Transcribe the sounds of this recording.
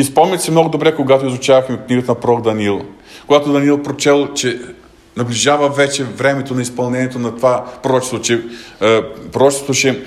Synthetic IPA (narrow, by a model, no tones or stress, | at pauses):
ispɔmnʲit̪ʲsɛmnɔɡʊd̪obɾɛkoɡat̪oizʊt͡ʃavɐxmikniɡət̪ɐnɐpɾɔɡd̪ɐniilˠ | koɡat̪od̪ɐniilˠpɾot͡ʃɛlˠt͡ʃɛ | nɐblʲiʒavɐvɛt͡ʃɛvɾɛmɛt̪onɐispɐlˠnɛnʲiɛt̪onɐt̪ovapɾoɾɔt͡ʃɛ̥st̪ot͡ʃɛ | pɾoɾɔt͡ʃɪst̪oʃɛ